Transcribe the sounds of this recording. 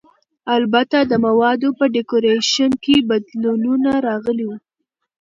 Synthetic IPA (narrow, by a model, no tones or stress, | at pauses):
albat̪ad̪əmawɑd̪opəɖɪkoɾeʃənkebad̪lununaɾɑɣəliwu